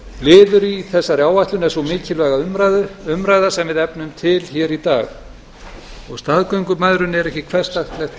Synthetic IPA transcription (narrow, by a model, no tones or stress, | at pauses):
lɪːðʏɾiθɛsːaɾjaːwvaht̪lʏnɛɾsɔmɪːcɪlvɛɣaʏɾaðʏmɾajðasɛmvɪðɛpnʏmt̪ʰɪlçɛɾit̪a̰ːɣ | ɔɣst̪aðkœɥŋkʏmaðɾʏnɛɾɛhcɪkʰvɛr̥st̪axt̪lɛxt̪